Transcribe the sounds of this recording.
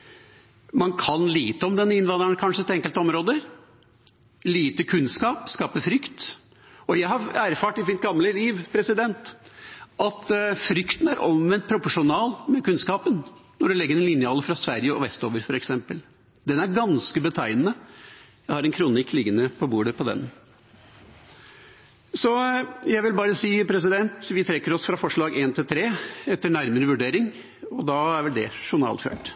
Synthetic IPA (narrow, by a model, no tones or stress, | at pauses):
mɑnkʰɑnliːt̪əɔmd̪ɛnːəɪnʋɑnd̪ɾəɳkʰɑnʂəɛt̪ɛŋkəlt̪əɔmɾoːd̪əɾ | liːt̪əkʰʉnskɑːpskɑːpəfɾʏkt̪ | ɔjæɪhɑɾæɾfɑːʈɪmɪt̪ɡɑmləliːʋpʰɾɛsɪd̪ɛnt̪ | ʔɑt̪fɾʏkt̪ən̩æɾʔɔmʋɛnt̪̚pʰɾʊpɔʂʊnɑːlmɛkʉnskɑːpənnːɔɖɛlɛɡːəɾɛnlɪnɪɑːləfɾɑsʋæɾjəɔ̰ʋɛst̪oːʋəɾfɔɾɛksɛmpəl | d̪ɛnæɾɡɑnskəbət̪ʰæɪnnə | jæɪhɑɾɛnkʰɾunɪkːlɪɡːənəpʰɔbuːɖəpʰɔd̪ɛ̰n | sɔjæɪʋɪlbɑːɾəsiːpʰɾɛs̬ɪd̪ɛnt̪ʋɪt̪ʰɾɛkːəɾɔsfɾɑfɔʂɭɑːɡeːnt̪ʰɪlt̪ʰɾeːɛt̪ːəɳæɾməɾəʋʉɖeːɾɪŋ | ɔd̪ɑːæɾʋɛld̪ɛʂʊnɑ̰ːlfø̰ːʈ